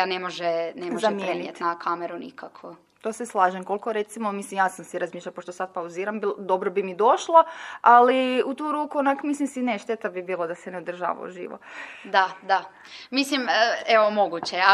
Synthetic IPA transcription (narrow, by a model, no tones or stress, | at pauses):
anemoʒɛnemozʒaemjɾeniiet̪nakʰameɾunḭkakʰʋo | t̪o̞ːseslˠaːʒemko̞lkoɾet̪simomislimjaːsamsiɾazmiːʃlʎʲapoʃt̪osad̪̚pauziːɾambild̪o̞bɾobimid̪o̞ʃlˠoaliut̪uːɾuːkuonakmislimsineʃt̪et̪abibiːlˠod̪asɛneod̪r̩ʒa̰ːʋa̰ṵʒḭːʋo̰d̪ad̪a | misliməeʋomoɡut͡ɕe